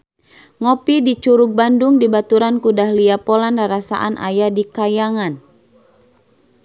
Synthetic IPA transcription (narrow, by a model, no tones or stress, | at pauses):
ŋopidit͡ʃuɾʊk̚bandʊŋdibat̪uɾankudahliapolandaɾasa̰ʔa̰nʔa̰jadikajaŋan